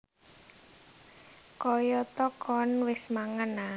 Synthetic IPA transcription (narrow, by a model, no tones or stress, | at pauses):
kɔjɔt̪ɔkɔnwɪsmaŋəna